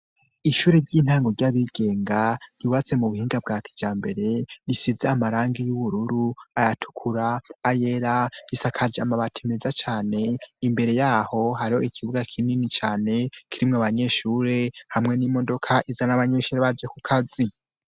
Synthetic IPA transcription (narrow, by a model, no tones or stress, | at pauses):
iʃuːɾeɾɟiːn̥haːŋɡo̞ɾɟaβiɡ̥e̞ːŋɡajiβat͡se̞muβuhiːŋɡab̚ɡaːkʰi̥d͡ʒaːmbe̞ɾe̞ɾisizeamaɾaːŋɡijuβuɾuɾuajatʰu̥kʰuɾaːjeɾaisakʰad͡ʒamaβatʰemezat͡ʃaːne̞imbe̞ɾe̞jaːho̞ɦaɾiho̞ikʰiβuɡakʰininit͡ʃaːne̞kʰiɾimŋaβaɲe̞ːʃuːɾe̞hamŋe̞nimo̞do̞kʰaʔizanaβaɲe̞ːʃuːɾeβad͡ʒekukʰazi